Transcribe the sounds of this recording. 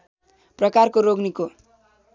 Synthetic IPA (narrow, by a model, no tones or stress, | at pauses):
prʌkarkoɾoɡniko